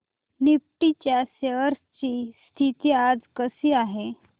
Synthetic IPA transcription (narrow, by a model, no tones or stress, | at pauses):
nip̚ʈit͡ɕjaseəɾst͡ɕiːst̪ʰit̪iːad͡zkəsiːaɦe